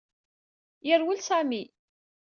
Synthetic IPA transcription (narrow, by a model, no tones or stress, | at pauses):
jəɾwəlsæmi